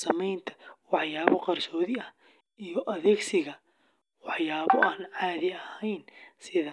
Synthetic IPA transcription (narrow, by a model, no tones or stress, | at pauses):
sɐmɛjnt̪ʰɐ̥wɑħjaːβɔqɑrsɔːðɪɐh | ijɔʔɐðɛːɡsɪɣɐ | wɑħjaːβɔʔaːnʕaːðɪɐhɛjnsɪðɐ